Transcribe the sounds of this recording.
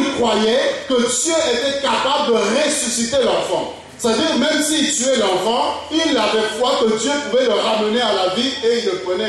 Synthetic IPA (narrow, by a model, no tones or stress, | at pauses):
lkχwajɛkəd̪jøʔet̪ɛkapabləd̪əʁesysit̪elɑ̃ʁfɑ̃ | sstad̪iːʁmɛ̃msit̪yɛlœʁvɑ̃ilːavɛfwakət̪jøpuvɛləʁamənealavieilːəpʁənɛ